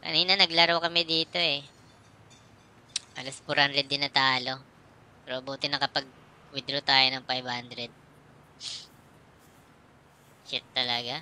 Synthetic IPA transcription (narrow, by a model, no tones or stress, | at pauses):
kɐ̰niːnɐnɐɡlaɾɐwkɐmɛd̪iːt̪o̞ɛ | ʔɐ̰lɐspʊɾanɾɛd̪ːɪnɐt̪aːlo̞ | pɛɾoʔbuːt̪ɪnɐkɐpɐɡ̚ | wɪd̪ɾot̪aːjonɐŋfajbhand̪ɾɛd̪̚ | t͡ʃɪt̪ːɐlɐɡa